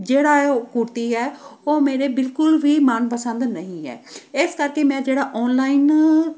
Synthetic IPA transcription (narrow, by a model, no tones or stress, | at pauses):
d͡ʒeːɽaːkʊɾt̪iːɛːoːmeːɾeːbɪlkʊlʋiːmaːnpəsə̃nd̪nəɦĩːɦɛ̰ːɪskəɾkeːmɛ̃ːd͡ʒeːɽaːʔɔːnlaːɪn